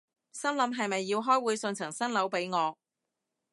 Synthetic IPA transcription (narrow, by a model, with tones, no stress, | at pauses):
sɐ˥nlɐ˨˥mɦɐ˨jmɐ˨jːiː˧wɦɔː˥jwuː˨˧jsɵ˧nt͡sʰɐ˨˩ŋsɐ˥nlɐ˨˥wpe˨˥jŋɔː˨˧